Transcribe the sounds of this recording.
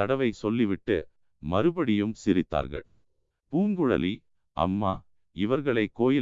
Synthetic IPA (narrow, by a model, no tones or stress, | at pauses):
ɐɽɐʋɐɪsɔlːiʋɪʈːɯ̰ | mɐɾɯbɐɽɪjɯmsɪɾɪt̪ːa̰ːɾɣɐ̰ɭ | puːŋɡɯɻɐ̰li | ʔɐ̰mːaː | ɪʋɐɾɣɐɭɐɪkːoːjɪ